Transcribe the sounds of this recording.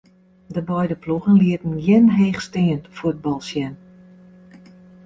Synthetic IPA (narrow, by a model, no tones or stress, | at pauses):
dəbɛjdəpluɣənliətən̩jɛnɦeːxstɪːənfuəd̚bɔlˠsjɛn